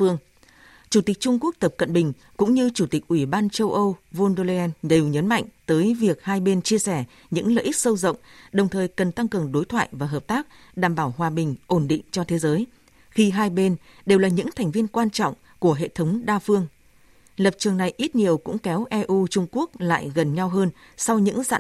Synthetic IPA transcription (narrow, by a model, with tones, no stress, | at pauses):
fɨ˧əŋ | t͡ɕu˧˩t̪ï˨˩k̚t͡ɕʊ˧ŋ͡mku˦˥ək̚t̪ə˨˩p̚kə̰˧˨nɓï˨˩ŋ̟ | kʊ̰˧˥ŋ͡mɲɨ˧t͡ɕu˧˩t̪ï˨˩k̟̚ʔwi˧˩ɓaː˧nt͡ɕə˧wʔə˧wvo˧nɗo˧lɛ˧ne˨˩wɲə˨˦nma̰˧˨jŋ̟t̪əː˨˦jvi˨˩ək̚haː˧jɓe˧nt͡ɕi˧əsɛ˧˩ | ɲɨ̰˧˥ŋlə̰ː˧˨ʔi˦˥k̚sə˧wzə̰˧˨wŋ͡mɗə˨˩wŋ͡mt̪ʰəː˨˩jkə˨˩nt̪a˧ŋkɨ˨˩əŋɗo˨˦jt̪ʰwa̰ː˧˨jvaː˨˩ɦəː˨˩p̚t̪aː˦˥k̚ | ɗaː˧˩mɓaː˧˩wɦwaː˨˩ɓï˨˩ŋ̟ʔo˧˩nɗḭ̈˧˨ŋ̟t͡ɕɔ˧t̪ʰe˨˦zəː˨˦j | xi˧ɦaː˧jɓe˧n | ɗe˨˩wlaː˨˩ɲɨ̰˧˥ŋt̪ʰɛ˨˩ŋ̟vi˧ənkwaː˧nt͡ɕɔ̰˧˨wŋ͡m | ku˧˩əɦḛ˧˨t̪ʰə˨˦wŋ͡mɗaː˧fɨ˧əŋ | lə˨˩p̚t͡ɕɨ˨˩əŋna˨˩jʔi˦˥t̚ɲi˨˩əwkʊ̰˧˥ŋ͡mkɛ˨˦wʔɛ˧ʔu˧t͡ɕʊ˧ŋ͡mku˦˥ək̚la̰ː˧˨jɣə˨˩nɲa˧wɦəː˧n | sa˧wɲɨ̰˧˥ŋza̰ː˧˨